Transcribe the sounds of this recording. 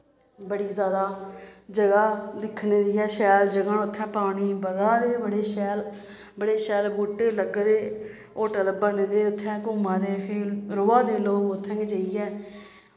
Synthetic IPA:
bəɽiːzjaːd̪aːd͡ʒəɡaːd̪ɪkʰneːd̪iːɛːʃɛːld͡ʒəɡəɳʊt̪ʰːɛ̃ːpaːɽiːbəɡaːd̪eːbəɽeːʃɛːl | bəɽeːʃɛːlbuːʈeːləɡd̪eː | oːʈəlbəneːd̪eːʊt̪ʰːɛ̃ːkuːmãːd̪eːɾʊːaːd̪eːloːɡʊt̪ʰːɛ̃ːŋɡet͡ʃəiːɛː

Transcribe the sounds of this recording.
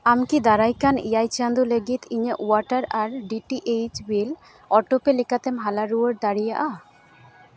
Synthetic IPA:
amkid̪aɾajkanḭajt͡ʃand̪uleɡit̪ʰiɲeʔuaʈaɾaɾɖiʈiʔejd͡ʒbil | ɔʈopelikat̪emɦalaɾuəɾd̪aɾijaʔa

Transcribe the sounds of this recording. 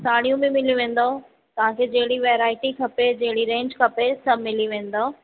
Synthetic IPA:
saːɽ̃ijũmẽmɪliʋẽːn̆d̪o | t̪ɐʋ̤ãːkʰed͡ʑɐɦɪɽiʋeːɾaːɪʈikʰɐped͡ʑɐɦɪɽiɾẽːɲd͡ʑkʰɐpesɐmɪliʋẽːn̆d̪oː

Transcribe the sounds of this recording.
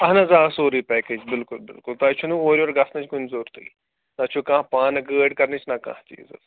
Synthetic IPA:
ɐɦnɐzaːɐsoːɾiːpɛːkeːd͡ʒbɪlkʊlbɪ̰lkʊlt̪aːt͡ʃʰunũoːɾʲioːɾɡɐsnɐ̃t͡ʃʰkunzoːɾt̪ʰḭː | t̪at͡ʃʰukãːpãːnɐɡəːɖkɐɾnit͡ʃʰnɐkã̰ːɦt͡ʃḭːzɐ̰z

